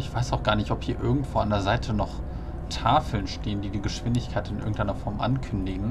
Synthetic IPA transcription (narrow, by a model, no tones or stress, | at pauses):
ɪçv̥aɪsaʊxɡ̥aːɐnɪçtɔphiːɐʔɪɐɡŋ̩tv̥oːa̰ndeːɐzaɪtʰənɔχ | tʰaːfl̩nʃteːəndiːdiːɡəʃv̥ɪndɪçkʰaɪtɪnʔɪɐɡŋ̩tʔaɪnɐfɔɐmʔa̰nkʰʏndɪɡŋ̩